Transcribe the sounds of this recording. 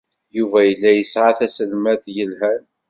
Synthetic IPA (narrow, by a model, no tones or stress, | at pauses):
juvæjəlːæjəsʕaθæsəlmæθjəlɦæn